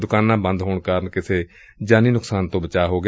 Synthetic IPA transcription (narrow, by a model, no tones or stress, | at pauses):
d̪ʊkaːnãːbə̃nd̪ɦoːɳkaːɾənkɪsʰeː | d͡ʒaːnĩːnʊksaːnt̪õːbət͡ʃaːɦoːɡ